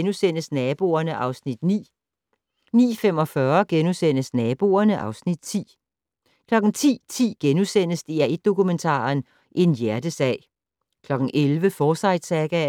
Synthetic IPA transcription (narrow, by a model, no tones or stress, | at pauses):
nusen̰əsnɛːb̥o̝̰ːɐnəʔɑ̈ʊsnid̥nḭː | nḭːfem̰ɒ̽fɶɐɡ̥enusen̰əsnɛːb̥o̝̰ːɐnəʔɑ̈ʊsnid̥t͡sʰḭː | kʰlɒ̽ɡ̥n̩t͡sʰḭːt͡sʰḭːɡ̥enusen̰əsd̥iæʔed̥̚ːo̝kument͡sʰɑ̰̈ːn | ʔe̝njæɐd̥əsɛ̰ːɪ̰ | kʰlɒ̽ɡ̥ŋ̩ʔelʋəfɒːsɑ̈ɪd̥sɛɡ̥æ